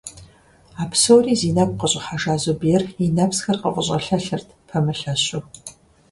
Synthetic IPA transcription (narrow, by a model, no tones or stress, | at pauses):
aːpsowriːziːnap̚ʷqəɕʼɐħaʒaːzobiɛrinɐpsxɐrqə̰ʔʷʼəɕʼɐ̰ɬɐɬɨrtʰpʰɐmɨɬɐɕʼʊ